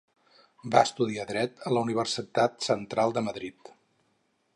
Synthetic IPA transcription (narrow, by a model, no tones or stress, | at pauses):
baəst̪uð̞iaðɾɛt̪ələuniβ̞ərsit̪at̪sənt̪ɾalˠd̪əməðɾit̪